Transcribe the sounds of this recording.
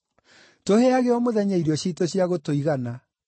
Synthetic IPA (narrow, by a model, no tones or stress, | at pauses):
toheaɣeɔmoðɛɲaiɾɔɕitoɕjaɣotoiɣana